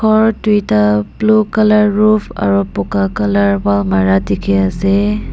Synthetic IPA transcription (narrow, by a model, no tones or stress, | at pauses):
kʰɔɹtujtablukalaɹːupʰa̰ɹupɔkakalaɹbalmaɹatikʰeasɛ